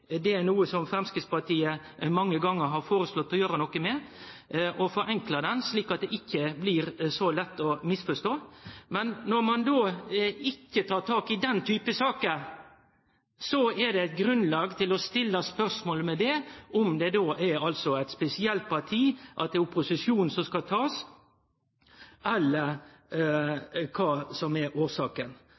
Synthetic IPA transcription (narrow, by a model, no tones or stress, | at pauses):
d̪ɛæɾnuːəsɔmfɾɛmskɪspɑʈ̪ʰiːə | mɑŋːəɡɑŋːəɾɦɑɾfoːɾəslɔt̪ːɔjøːɾənɔkːəmɛ | ʔɔfɔɾɛŋkləd̪ɛnsliːkɑt̪̚d̪ɛʔɪkːəblɪɾsɔlɛt̪ːɔmɪsfɔʂt̪oːmɛnːɔɾmɑnd̪oːɪkːət̪ʰɑːɾʈ̪ʰɑːkɪd̪ɛnt̪ʰyːpəsɑːkə | sɔɛd̪ɛæɪt̪̚ɡɾʉnlɑːɡt̪ʰɪlɔst̪ɪlːəspœɾʂmoːləmɛd̪ɛʔɔmd̪ɛd̪oːʔɛɾɑlsɔæɪt̪spɛsɪɛlt̪̚pʰɑɾʈ̪ʰiːʔɑt̪̚d̪ɛʊpʊsɪʃjuːn̩sɔmskɑt̪ʰɑːs | ʔɛlːəɾ | kʰɑːsɔmɛɾoːʂɑːkən